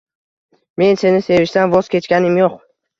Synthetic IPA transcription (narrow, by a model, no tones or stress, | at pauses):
me̞nse̞nɪse̞vɪʃt̪anvɒz̥kʲʰe̞t͡ʃkʲanɪmjoq